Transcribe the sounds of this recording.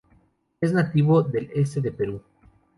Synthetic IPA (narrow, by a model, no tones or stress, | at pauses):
eznat̪iβoðe̞les̬t̪eðe̞pe̞ɾu